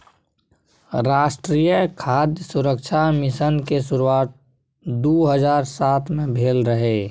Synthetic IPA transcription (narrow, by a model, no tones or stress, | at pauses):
ɾaːʃʈɾiːjəkʰaːd̪jəsʊɾəkʃʰamɪsənkesʊɾuaːt̪̚ | d̪oːɦəzaːɾsaːt̪ʰmẽbʱeːlɾəɦe